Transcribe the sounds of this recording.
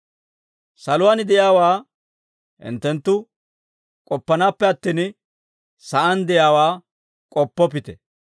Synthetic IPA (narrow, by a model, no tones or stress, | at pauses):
sɐlʊwaːnɪd̪ɛjaːwaː | hɪ̰nt̪ːɛnt̪ːʊ | kʼɔpːɐnaːpːɛɐt̪ːiːn | sɐʔɐnd̪ɛjaːwaː | kʼɔpːɔp̬ɪt̪ɛ